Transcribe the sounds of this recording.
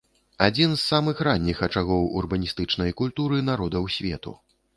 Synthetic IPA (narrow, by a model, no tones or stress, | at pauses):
ad͡zʲinzːamɨxranʲːixɐt͡ʂaɣɔwṵrbɐnʲist̪ɨt͡ʂnɐjkulʲt̪uɾɨnaɾɔd̪ɐwsʲvʲɛ̰t̪ṵ